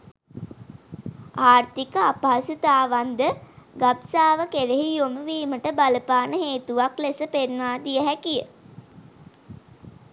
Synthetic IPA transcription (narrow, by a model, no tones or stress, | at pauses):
aːrt̪ikəapaːsut̪aːʋand̪əɡabsaːʋəkeleɦijoməʋiːməʈəbaləpaːnəɦeːt̪uʋaklesəpenʋaːd̪ijəɦækijə